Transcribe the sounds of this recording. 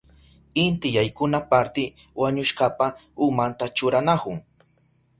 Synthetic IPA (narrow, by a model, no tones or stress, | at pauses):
ɪnt̪ɪjajkʊnapaɾt̪ɪ | waɲʊʃkapa | ʊmant̪at͡ʃʊɾanakʊŋ